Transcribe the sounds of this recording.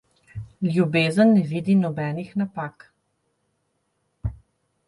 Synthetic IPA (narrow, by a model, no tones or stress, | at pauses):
ljubeːzənːɛʋiːd̪inɔbɛːnixnapaːk